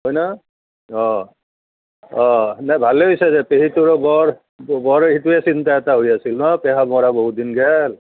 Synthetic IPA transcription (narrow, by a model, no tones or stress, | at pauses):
ɦojna | ɔ̃ | ɔ̃nabʱaleɦojsɛzɛpeɦituɹɔbɔɹ | bɔɹituɛsintaɛtaɦojasilnɔpɛɦamɔɹaboɦud̪inɡɛl